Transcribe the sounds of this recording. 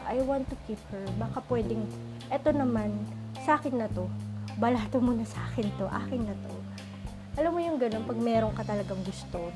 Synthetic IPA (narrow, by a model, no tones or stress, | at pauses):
ʔajwant̪ːukip̚hɛɹbakapwɛd̪ɛŋ | ʔɛt̪o̞nɐman | sɐʔaːkɪnːɐt̪o̞bɐlaːt̪omuːnɐsɐʔaːkɪnt̪o̞ʔa̰ːkɪŋnɐt̪o̞ | ʔɐlɐmːojʊŋɡɐno̞npɐɡ̚mɛːɾo̞ŋkɐt̪ɐlɐɡɐŋɡʊst̪o̞